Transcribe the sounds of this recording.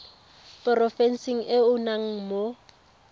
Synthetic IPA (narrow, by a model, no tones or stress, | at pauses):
pʼɔrɔfɛnsiŋ̩ʔɪʊnaŋ̩mo